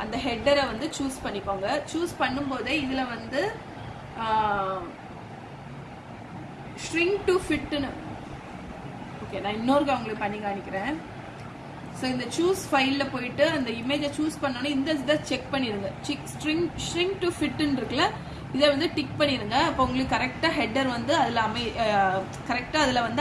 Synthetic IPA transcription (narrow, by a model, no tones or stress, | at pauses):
ʔɐnd̪ɐɦɛɖɐɾɐʋɐnd̪ɯt͡ʃuːspɐɳːɪkːoːŋɡɐt͡ʃuːspɐɳːɯmpoːðeɪðɪlɐʋɐnd̪ɯ | ʂɾɪŋɡʈufɪʈːɯnɯ | oːkeːnãːɪnːoːɾɯkːɐʋɐŋɡɐɭɯkːɯpɐɳːɪŋɡaːɳːɪkʲːɪɾẽː | soːɪnd̪ɐt͡ʃuːsfɐɪlːɐpoːjɪʈːɯɐnd̪ɐɪmeːd͡ʒɐt͡ʃuːspɐɳːoːnːɯɪnd̪ɐðɐt͡ʃɛk̚pɐɳːɪɾɯŋɡɐt͡ʃɛksʈɾɪŋʂɾɪŋɡ̚ʈʊfɪʈːɯnɾɯkːɐlɐ | ɪðeʋɐnd̪ɯʈɪk̚pɐɳːɪɾɯŋɡɐɐpːoːʊŋɡɐɭɯkːɯkːɐɾɛk̚ʈaːɦɛɖːɐɾʋɐnd̪ɯɐðɪlɐmɐɪ | kɐɾɛk̚ʈaːɐðɪlɐʋɐnd̪